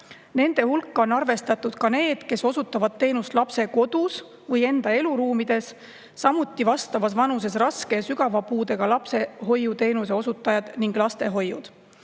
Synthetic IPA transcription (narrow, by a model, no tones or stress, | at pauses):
ne̞nd̪̥e̞hulkːɑo̞nɑrve̞st̪ɑt̪ːˑud̪̥kɑne̞ːd̪̥ke̞so̞sut̪ːˑɑvɑd̪̥̚t̪ːe̞ːnust̪lɑpse̞ko̞d̪̥us | vɤje̞nd̪̥ɑe̞luɾuːmid̪̥e̞sː | ɑmut̪ːˑivɑst̪ɑvɑsvɑnus̬e̞srɑske̞syɡ̥ɑvɑpuːd̪e̞ɡ̥ɑlɑpse̞ɦo̞jːut̪e̞ːnuse̞o̞sut̪ːˑɑjɑd̪̥niŋɡ̥lɑst̪e̞ɦo̞jːṵd̪̥